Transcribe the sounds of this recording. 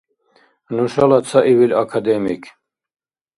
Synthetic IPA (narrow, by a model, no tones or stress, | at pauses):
nuʃalat͡sʰaʔiwilakʰad̪emḭkʰ